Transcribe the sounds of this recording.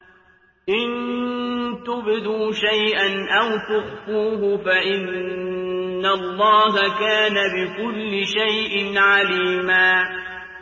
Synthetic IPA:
ʔɪn | t̪ʊbɪd̪uːʃajʔanʔawt̪ʊxfuːɦʊfaʔɪnː | alˤːɑːɦakaːnabɪkʊlːɪʃajʔɪnʕaliːmaː

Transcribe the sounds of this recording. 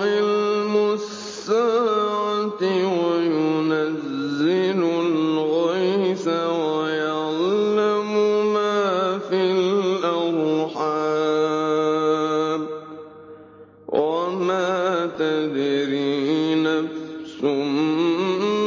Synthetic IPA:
ɪlmʊss | aʕat̪ɪwajʊnazːɪlʊlɣajsawajaʕlːamʊmaːfilʔaɾˤħaː | b | wamaːt̪ad̪ɾiːnafsʊm

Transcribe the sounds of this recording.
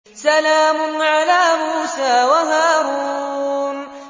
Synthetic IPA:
salaːmʊnʕalaːmuːsaːwaɦaːɾuːn

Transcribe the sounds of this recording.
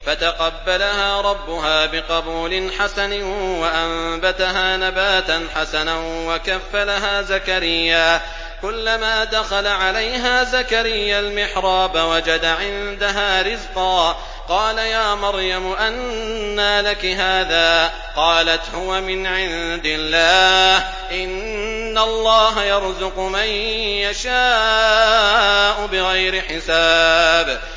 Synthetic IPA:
fat̪aqɑbːalahaːɾˤɑbːʊɦaːbɪqɑbuːlɪnħasanɪwaʔambat̪aɦaːnabaːt̪anħasanawakafːalaɦaːzakaɾɪjːaː | kʊlːamaːd̪axalaʕalajɦaːzakaɾɪjːalmɪħɾˤɑːbawad͡ʒad̪aʕɪnd̪aɦaːɾɪzqɑː | qɑːlajaːmɑɾjamʊʔanːaːlakɪɦaːðaː | qɑːlat̪hʊwamɪnʕɪnd̪ɪlːaːh | ʔɪnː | alˤːɑːɦajɑɾˤzʊqʊmajjaʃaː | ʔʊbɪɣajɾɪħɪsaːb

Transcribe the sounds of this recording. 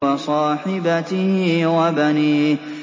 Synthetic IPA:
wɑsˤɑːħɪbat̪ɪhwabaniː

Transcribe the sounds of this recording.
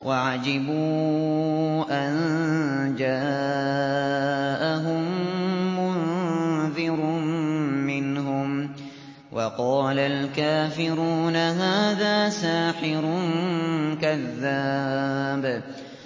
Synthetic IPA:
wʔaʕad͡ʒɪbuː | ʔan | d͡ʒaː | ʔaɦʊmː | ʊ | ðɪɾ | mɪnɦʊm | wʔɑqɑːlalkaːfɪɾuːnaɦaːðaːsaːħɪɾʊnnkaðːa | b

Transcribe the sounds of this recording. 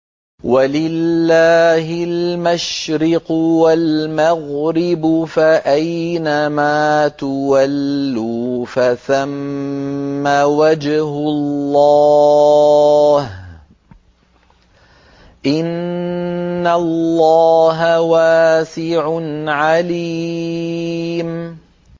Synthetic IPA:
walɪlːaːɦɪlmaʃɾɪqwalmaɣɾɪbʊfaʔajnamaːt̪ʊwalːuːfaθamː | awad͡ʒhʊlːɑ | h | ʔɪnː | allːɑːɦawaːsɪʕʊnʕali | m

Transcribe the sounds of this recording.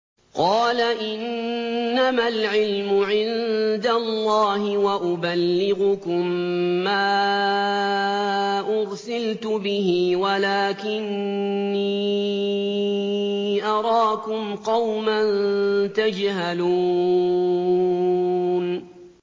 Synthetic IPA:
qɑːlaʔɪnː | amalʕɪlmʊʕɪnd̪alˤːɑːɦɪwaʔʊbalːɪɣʊkʊmːaː | ʔʊɾsɪlt̪ʊbɪɦɪwalaːkɪnː | iː | ʔɑɾˤɑːkʊmqɑwmant̪ad͡ʒhaluː | n

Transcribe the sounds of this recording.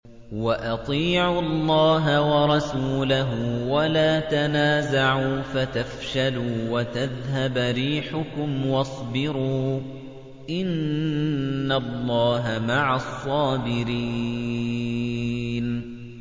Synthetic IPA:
waʔɑt̪ˤiːʕʊɑlˤːɑːɦawɑɾˤɑsuːlaɦʊwalaːt̪anaːzaʕuːfat̪afʃaluːwat̪aðɦabɾiːħʊkʊmwɑsˤbɪɾuː | ʔɪnː | alˤːɑːɦamaʕasˤːɑːbɪɾiː | n

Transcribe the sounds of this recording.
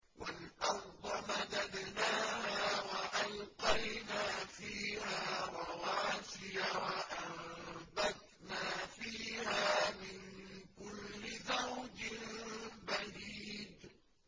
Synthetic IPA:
wʔalʔɑfd̪ˤɑmad̪ad̪naːhaːwaʔalqɑjnaːfiːhaːwawaːʃɪjawaʔaɾbad̪ | naːfiːhaːmɪnkʊlːɪzawd͡ʒɪnbaɾiːd̪

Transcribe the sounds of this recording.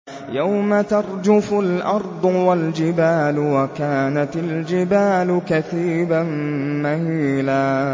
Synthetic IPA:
jawmat̪ɑɾˤd͡ʒʊfʊlʔɑɾˤd̪ˤʊwald͡ʒɪbaːlʊwakaːnat̪ɪld͡ʒɪbaːlʊkaθiːbanmahiːlaː

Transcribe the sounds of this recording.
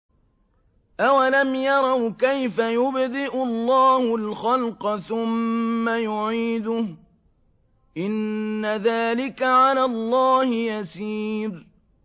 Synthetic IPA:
ʔawalamjɑɾˤɑwkajfajʊbd̪ɪʔʊlˤːɑːhʊlxɑlqɑθʊmːajʊʕiːd̪ʊh | ʔɪnːaðaːlɪkaʕalaːlˤːɑːhɪjasiːɾ

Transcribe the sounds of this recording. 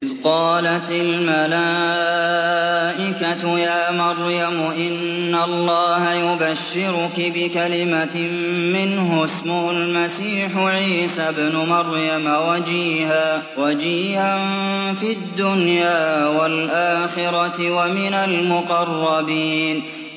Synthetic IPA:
ʔɪðqɑːlat̪almala | ʔɪkat̪ʊjaːmɑɾˤjamʊʔɪnːalˤːɑːhajʊbaʃːɪɾʊkɪbɪkalɪmammɪnɦʊsmʊhʊlmasiːħʊʕiːsabnʊmɑɾˤjamawad͡ʒiːhaːwad͡ʒiːhanfid̪ːʊnjaːwalʔaːxɪɾɑt̪wamɪnalmʊqɑrˤːɑbiːn

